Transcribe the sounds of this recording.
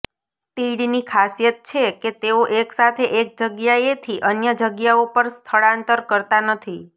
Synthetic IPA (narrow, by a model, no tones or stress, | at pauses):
t̪iɽinikʰasjət̪̚t͡ʃʰeket̪eoʔeksat̪ʰeʔek̚d͡ʒəɡjaet̪ʰiʔənjəd͡ʒəɡjaopəɾst̪ʰəɭãnt̪əɾkəɾt̪anət̪ʰi